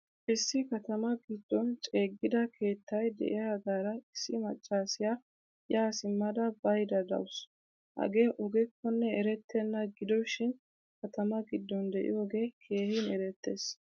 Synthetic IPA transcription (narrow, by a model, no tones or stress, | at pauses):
ʔɪsːɪkɐt̪ɐmɐɡɪd̪ːɔnt͡ʃʼe̞ːɡːɪd̪ɐkʰe̞ːt̪ːɐjd̪ɛ̰ʔɪjaɡaːɾɐɪsːɪmɐt͡ʃʼːaːsɪja | jaːsɪmːɐd̪ɐbɐjd̪ɐd̪ɐ̰wʊs | hɐ̰ɡe̞ːʔɔɡɛkːɔnːɛɛɾɛt̪ːenːɐɡɪd̪ɔʃɪn | kɐt̪ɐmɐɡɪd̪ːɔnd̪ɛʔɪ̰jo̞ːɡe̞ːkʰe̞ːhɪnɛɾɛt̪ːe̞ːs